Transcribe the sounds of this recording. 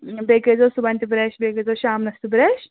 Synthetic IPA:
beːkezoːsubɐnt̪ibɾeʃbekezoʃaːmnɐst̪ibɾeʃ

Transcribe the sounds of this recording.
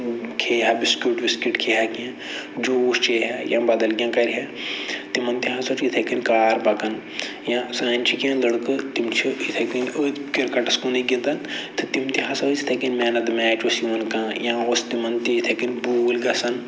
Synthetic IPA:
kʰeːɦabiskʲjuːʈbiskiʈkʰeːɦakiã | d͡ʒoːuːst͡ʃeɦajãbɐd̪ɐlɡʲjãːkɐɾʲɦet̪imɐnt̪iɦãsot͡ʃʰit̪ʰekinkaːɾbɐkɐn | jãsãːnʲt͡ʃʰikiãlɐɽkɨt̪imt͡ʃʰiit̪ʰɐkinəkiɾkɐʈɐskuniɡʲĩnt̪ɐnt̪ʰɨt̪imt̪iɦɐ̃sɐsi̥t̪ʰɐkinmɛːnɐt̪mɛːt͡ʃosiʋɐnkãːjãːost̪imɐnt̪iit̪ʰɐkinbuːlɡɐsɐn

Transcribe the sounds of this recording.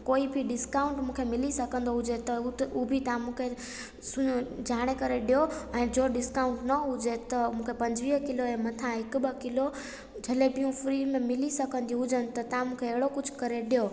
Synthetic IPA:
koːibʱiɖɪskaːʊ̃ɳʈmũkʰemɪlisɐkə̃nd̪oɦʊd͡ʑet̪ɐubʱit̪ɐãmũːkʰe | sʊd͡ʑʱaːɽ̃ekɐɾeɗijoɛ̃ːd͡ʑoːɖɪskaːʊ̃ɳʈnɐɦʊd͡ʑet̪ɐmũːkʰepɐ̃ɲd͡ʑʋiːɦkɪloɛ̃ːmɐt̪ʰãɦɪkbəkɪlo | d͡ʑʱɐlebijũfʰɾimẽmɪlisɐkə̃nd̪iɦʊd͡ʑənɪ̆t̪ɐt̪ɐãmũːkʰeːɦɪɽokʊd͡ʑʱʊ̥kɐɾeɗijo

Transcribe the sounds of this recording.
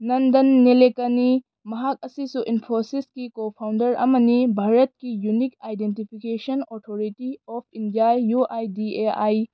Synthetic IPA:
nɐndɐnːelekɐni | mɐɦak̚ɐsisuʔinpʰosiskikopʰawndɐɾʔɐ̰mɐnibʱaɾɐt̚kijunikajdentipʰikesɐnɔtʰoɾitiɔpʰindijajːuʔajdieaj

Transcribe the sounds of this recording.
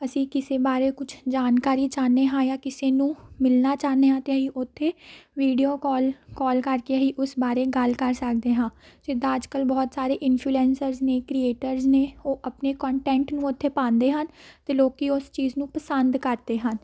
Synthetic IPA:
əsĩːkɪseːbaːɾeːkʊt͡ʃʰd͡ʒaːnkaːɾiːt͡ʃaːneːɦãːjaːkɪseːnũːmɪlnaːt͡ʃaːneːɦãːt̪eəɦiːʔʊt̪ʰːeːʋiːɖijoːkɔːlkɔːlkəɾkeəɦiːʔʊsbaːɾeːɡəlkəɾsəkd̪eːɦãːd͡ʒɪd̪aːəd͡ʒkəlbɔːt̪saːɾeːʔɪnpʰluːɛːnsəɾzneːkɾieːʈəɾzneːoːʔəpneːkɔ̃ːɳʈɛ̃ːɳʈnũːʊt̪ʰːeːpãːnd̪eːɦənt̪eːloːkiːʊst͡ʃiːznũːpəsənd̪kəɾd̪eːɦən

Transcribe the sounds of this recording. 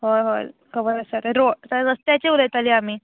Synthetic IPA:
ɦoɦokʰəbəɾəsaɾeɾotaɾəst̪jat͡ɕeuləjt̪aliːamiː

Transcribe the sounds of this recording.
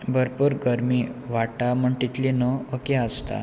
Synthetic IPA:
bəɾpuɾɡəɾmiːʋaʈaməɳʈit̪linəəkeəst̪a̰

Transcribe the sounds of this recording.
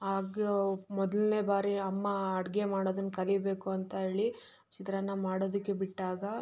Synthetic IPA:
aːɡemɔd̪ɐlne̞ːbaːɾiɐmːɐːɽɡemaːɽoːd̪ɐnkɐlibe̞ːkuɐnt̪ɐɦeːɭi | t͡ʃit̪ɾɐnːɐmaːɽoːd̪ɐkːebiʈːaːɡɐ

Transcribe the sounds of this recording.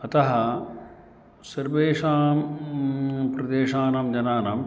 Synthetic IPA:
ɐt̪ɐɦɐ | sɐɾʋeːʂaːm | pɾɐd̪eːʂaːnɐmd͡ʒɐnaːnɐm

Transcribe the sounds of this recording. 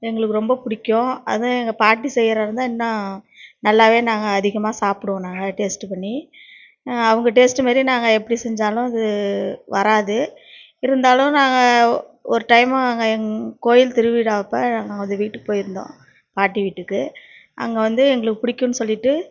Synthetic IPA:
ɛŋɡɐɭɯkːɯɾɔmbɐpʊɽɪkʲːõɐ̰ðãɛŋɡɐpaːʈːisɛjːɪɾɐɾɯnd̪ãːɛnːɐ | nɐlːaːʋeːnaːŋɡɐːðɪɣɐmaːsaːpɯɽɯʋõnaːŋɡɐʈeːsʈpɐɳːi | ɐʋɯŋɡɐʈeːsʈɯmaːɾinaːŋɡɐɛpːɐɽisɛɲd͡ʒaːlʊ̃ɐðɯʋɐɾaːðɯ | ɪɾɯnd̪aːlʊ̃naːŋɡɐɔɾɯʈɐɪmaaːŋɡɐkoːjɪlt̪ɪɾɯʋiːɽaːɐpːɐnaːŋɡɐaːɡɐʋɐnd̪ɯʋiːʈːɯkːɯpoːjɪɾɯnd̪õ̰ː | paːʈːiʋiːʈːɯkːɯ | ʔɐ̰ŋɡɐʋɐnd̪ɯɛŋɡɐɭɯkːɯpʊɽɪkʲːõnːɯsɔlːɪʈːɯ

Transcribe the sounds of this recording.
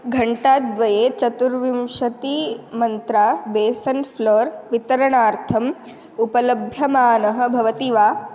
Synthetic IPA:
ɡʱɐɳʈaːt̪̚d̪ʋɐjeːt͡ʃɐt̪uɾʋimʂɐt̪imɐnt̪ɾaːbeːsɐnfloːɾʋit̪ɐɾɐɳaːɾt̪ʰɐm | upɐlɐbʱjɐmaːnɐɦɐ̆bʱɐʋɐt̪iʋaː

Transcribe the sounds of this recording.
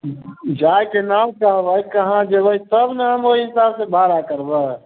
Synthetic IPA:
d͡ʒaːjkenaːmkaãʋəikəɦãd͡ʒebəisəbnaːmɦoːiɪsaːbsebaːɾakəɾba

